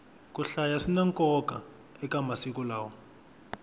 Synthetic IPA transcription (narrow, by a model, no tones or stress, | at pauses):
kuɬajaʂinaŋkɔkʼa | ɛkamasikulaːwɔ